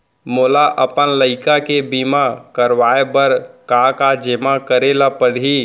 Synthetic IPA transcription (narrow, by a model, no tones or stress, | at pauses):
molaʔəpənləɪkakebimakəɾʋaebəɾkakad͡ʒemakəɾelapəɾɦi